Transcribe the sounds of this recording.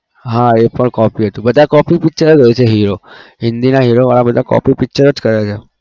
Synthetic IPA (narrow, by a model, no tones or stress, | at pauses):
ɦãepəɳkɔpiɦət̪ũbəd̪ʱakɔpipik̚t͡ʃəɾeɡəet͡ʃʰeɦiɾoɦɪnd̪inaɦiɾoʋaɭabəd̪ʱakɔ̰pipɪk̚t͡ʃəɾəd͡ʒkəɾet͡ʃʰe